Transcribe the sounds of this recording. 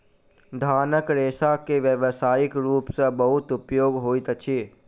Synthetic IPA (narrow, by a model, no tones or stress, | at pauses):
d̪ʱaːnəkɾeːsakeʋjəʋsaːjɪkɾuːpsebɐɦʊt̪ʊpjoːɡɦoːit̪ət͡ʃʰiː